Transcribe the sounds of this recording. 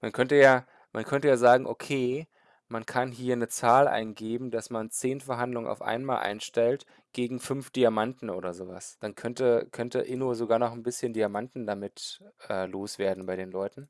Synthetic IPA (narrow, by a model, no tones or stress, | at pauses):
mankʰœntəjaː | mʔankʰœntəjaːzaːɡŋ̩ʔokʰeː | mankʰanɦiːɐnət͡saːlʔa̰ɪnɡeːbm̩dasmant͡seːnfɛɐɦandlʊŋənʔa̰ʊfʔa̰ɪnmaːlʔa̰ɪnʃtɛlt | ɡ̥eːɡŋ̩fʏnfd̥iamantn̩ʔo̰ːɾɐzoːva̰sd̥ankʰœntəkʰœntə̰ʔɪnozoɡaːɐnɔχnbɪsçəndiamantn̩damɪtʔɛːloːsv̥eːɐdn̩baɪɾeːnlɔʏtn̩